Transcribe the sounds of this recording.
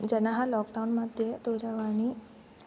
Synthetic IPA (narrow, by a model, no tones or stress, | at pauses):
d͡ʒɛnaɦãlɔːkɖaunmad̪ʱjet̪uɾaʋani